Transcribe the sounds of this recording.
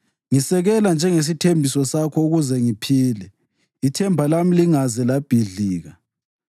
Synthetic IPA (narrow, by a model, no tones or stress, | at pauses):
ŋisɛɣɛland͡ʒʱɛŋes̬itʰembʱisɔsakʰɔuɣuzɛŋipʰiːlɛ | itʰɛmbʱalamiliŋazɛlab̥ʱiɮiːɣa